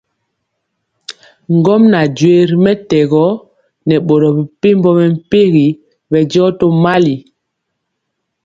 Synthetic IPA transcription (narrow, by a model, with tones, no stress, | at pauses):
ŋɡɔ˦mna˨d͡ʒwe˨˦ɾmɛ˦tɛ˨ɡɔ˦ | nɛ˨ɓo˨ɾɔ˨bi˨pe˦mbɔ˦mɛ˨m̩˦pe˦ɣi˨ | bɛ˨d͡ʒɔ˦to˦ma˦li˨